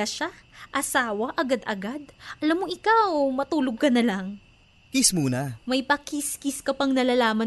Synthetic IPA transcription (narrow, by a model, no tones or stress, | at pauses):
ɐʃaʔɐsaːwɐʔɐɡad̪ʔɐ̰ɡad̪̚ʔɐlamːoʔɪkawmɐt̪uːloɡ̚kɐnɐlaŋ | kismuːnɐmɐjpɐkiskiskɐpɐŋnɐlaːlaːmɐ